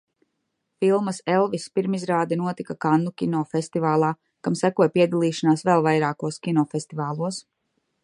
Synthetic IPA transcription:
filˠmɐselˠvispiɾmizɾaːd̪ɛnuɔt̪ikakanːukʲinɔːfest̪ivaːlˠaː | kamsækuɔjpiɛd̪alˠiːʃanaːsvɛlˠvajɾaːkuɔskʲinɔːfest̪ivaːlˠuɔs

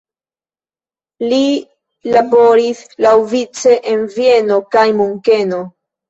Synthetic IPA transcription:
li | labo̞ɾislawvit͡se̞ʔenvie̞no̞kajmuŋke̞no̞

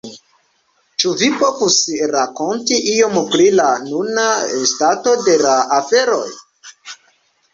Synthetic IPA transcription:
t͡ʃuvipo̞vusɾako̞ntiʔio̞mpɾilanunaestato̞de̞laafe̞ɾo̞̰j

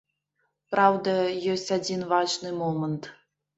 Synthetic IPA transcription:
prawd̪ɐjosʲtʲad͡zʲinvaʒnɨmomənt̪

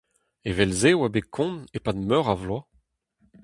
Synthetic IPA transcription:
evɛlzewabekʰɔ̃nepad̪mœʁavlwa

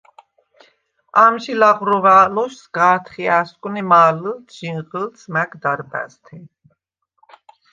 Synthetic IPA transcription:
amʃilaʁɾɔvaːlɔʃsɡaːɾt̪ʰχiaskʼunimaːləlt͡sʰʒ̥inʁəlt͡sʰmækd̪aɾbæ̰st̪ʰi

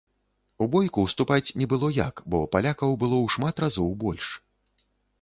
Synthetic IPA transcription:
ubɔjkuwst̪upat͡sʲnʲɛbɨlˠɔja̰kbɔpalʲakɐwbɨlˠɔwʂmat̪razɔwbɔlʲʂ

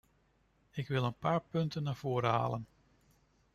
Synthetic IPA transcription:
ɪkʋɪlˠənpaːɹpɵntənːaːv̥oːɾəɦa̰ːlən

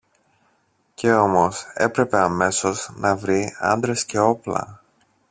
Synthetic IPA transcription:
ce̞o̞mo̞se̞̰pɾe̞pe̞ɐme̞so̞znɐvɾiɐ̰nd̪ɾe̞sce̞o̞plɐ̰

